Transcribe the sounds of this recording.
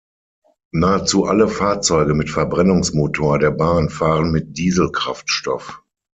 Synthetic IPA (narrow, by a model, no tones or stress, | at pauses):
naːət͡suːʔaləfaːɐt͡sɔʏɡəmɪtfɛɐbʁɛnʊŋsmoːtʰoːɐdeːɐbaːnfaːʁənmɪt̚d̥iːzl̩kʁ̥aftʃtɔ̰f